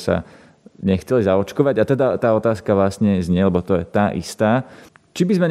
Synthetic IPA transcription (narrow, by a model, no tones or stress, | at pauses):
sa̰ | ɲɛxt͡sɛlizaɔt͡ʃkɔʋaɟat̪ɛd̪at̪aːɔt̪aːskaʋlasɲɛzɲɪɛlɛbɔt̪ɔjɛt̪aːʔḭst̪aːt͡ʃibizmɛɲ